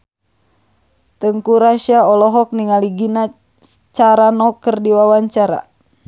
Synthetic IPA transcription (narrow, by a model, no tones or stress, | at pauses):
t̪əŋkuɾaʃaɔlɔɦɔk̚niŋaliɡina | t͡ʃaɾanɔkɨrdiwawaɲt͡ʃaɾa̰